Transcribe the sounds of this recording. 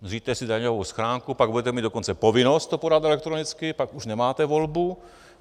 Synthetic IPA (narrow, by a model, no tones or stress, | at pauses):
riːt̪ɛsɪdaɲovowsxɾaːŋkupaɡ̚budɛt̪ɛmiːd̪dokont͡sɛpovɪnost̪ːopodat̪ɛlɛkt̪ɾonɪt͡skɪpakuʃnɛmaːt̪ɛvolbu